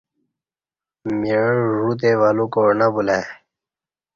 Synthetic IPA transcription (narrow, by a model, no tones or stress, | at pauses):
miʐut̪̬ewalukoɾnabulaj